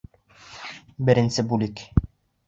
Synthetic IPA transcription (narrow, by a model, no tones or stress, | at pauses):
bɘ̆ɾɘ̆nsɘbulik